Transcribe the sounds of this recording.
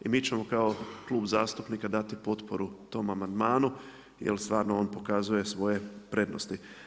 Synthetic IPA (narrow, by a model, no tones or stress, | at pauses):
imiːt͡ʃe̞mo̞kao̞klˠuːbzaːst̪upnikad̪at̪ipo̞t̪po̞ɾut̪o̞ːmamand̪maːnu | jḛlst̪ʋaːɾnooːnpo̞kazuje̞sʋo̞je̞pɾe̞d̪no̞̰st̪i